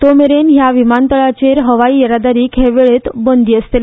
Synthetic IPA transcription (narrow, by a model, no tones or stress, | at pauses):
t̪omeɾenɦjaʋimant̪əɭat͡ɕeɾɦəʋaiːəɾad̪aɾiːkʰeʋeɭet̪bənd̪iːəst̪el